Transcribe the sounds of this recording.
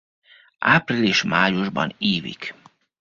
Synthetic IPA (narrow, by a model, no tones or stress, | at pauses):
aːpriliːʃmaːjuʒbɒ̰neːvḭk